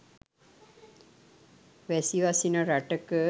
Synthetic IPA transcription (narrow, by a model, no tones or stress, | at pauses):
ʋɛsiʋasinɐɾaʈəkɨ